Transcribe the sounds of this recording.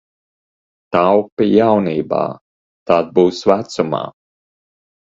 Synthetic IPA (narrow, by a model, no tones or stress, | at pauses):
t̪awpijawniːba̰ː | t̪aːt̪̚buːsvæt̪suma̰ː